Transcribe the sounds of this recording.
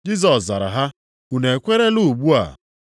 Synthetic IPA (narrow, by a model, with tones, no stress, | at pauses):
d͡ʒi˦z̬ɔ˨sza̰˨ɾa̰˨ɦa˦ | u˨ne˨kʷe˦ɾe˦lu˦˨ɡ͡bu˦a̰˨